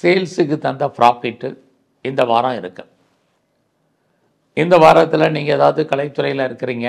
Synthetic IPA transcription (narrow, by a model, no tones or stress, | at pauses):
seːlsɯkːɯt̪ɐnd̪ɐfɾʔaːpɪʈːɯ | ɪnd̪ɐʋaːɾãːɪɾɯkːɐ | ɪnd̪ɐʋaːɾɐt̪ːɪlɐniːŋɡɐɛðaːʋɐðɯkɐɭɐɪt̪ːɯɾɐɪjɪlaɪɾɯkːɪɾiːŋɡɐ